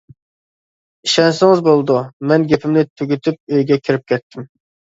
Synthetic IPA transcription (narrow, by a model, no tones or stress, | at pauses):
iʃɛnsɪŋɪzbolˠɨd̪umɛnɡʲepʰɪmnɪt̪ʰyɡʲyt̪ʰyp̚øjɡʲɛkʲʰiɾɪp̚kʲʰɛt̪ʰːɪm